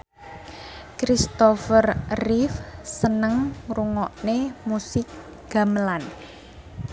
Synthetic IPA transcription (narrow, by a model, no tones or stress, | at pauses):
kɾist̪ɔfərrifsənəŋruŋɔʔnemusɪk̚ | ɡ̥a̤məlan